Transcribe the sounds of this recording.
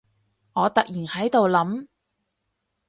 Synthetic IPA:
ŋɔː˨˧t̪ɐ˨k̚jiː˨˩nhɐ˨˥jt̪o˨wlɐ˨˥m

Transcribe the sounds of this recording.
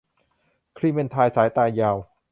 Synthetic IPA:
kʰɾi˦˥˩me˧nt̪ʰaː˧jsaː˩˦jt̪aː˧jːaː˧w

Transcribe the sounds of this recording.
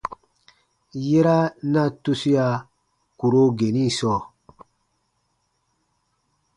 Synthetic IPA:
je˦ɾa˦na˦˨tu˦si˦ja˧˨ | ku˨ɾo˦ɡe˨ni˦˨sɔː˦˨

